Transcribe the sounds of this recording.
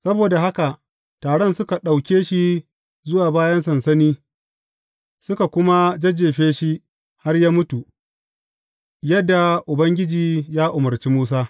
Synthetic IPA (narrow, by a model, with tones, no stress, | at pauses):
sɐ˦boː˨da˨ɦa˦ka˨ | taː˨ɽɔ˦nsʊ˦ka˨ɗa˨wkʲeː˦ʃi˦ | zʊ˦waː˨baː˦jɐ˦ns̬ɐ˨nsɐ˦niː˦ | sʊ˦ka˨kʷʊ˦ma˦d͡ʒɐ˦d͡ʒeː˨ɸeː˦ʃi˦ | ha˦rjaː˦mʊ˦tu˨ | jɐ˦dːa˨ʔʊ˨bɐ˦ŋɡʲɪ˦d͡ʒiː˨jaː˦ʔʊ˨mɐ˨ɾt͡ʃi˦muː˦s̬aː˦